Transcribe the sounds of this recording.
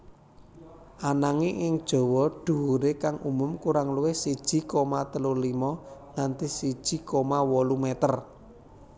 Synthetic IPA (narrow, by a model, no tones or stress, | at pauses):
ʔanaŋiʔɪŋd̥ʒ̥ɔ̤wɔɖ̥ṳwuɾekaŋʔumʊmkuɾaŋluwɪhsid̥ʒ̥i̤kɔmat̪əlolimɔŋant̪isid̥ʒ̥i̤kɔmawɔlumɛt̪ər